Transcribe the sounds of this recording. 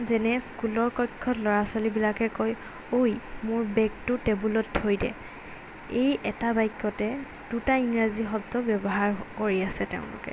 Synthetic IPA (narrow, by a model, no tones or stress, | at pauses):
zɛnɛskulɔɹkɔkʰːɔtlɔɹasalibilakɛkoj | ojmʊɹbɛktʊtebulɔtʰːojdɛ̰ | ejʔɛtabajkːɔtɛ | d̥utaiŋɹaziɦɔdɔbjɔbɔɦaɹkoɹiasɛtḛʊ̃lʊ̰kɛ̰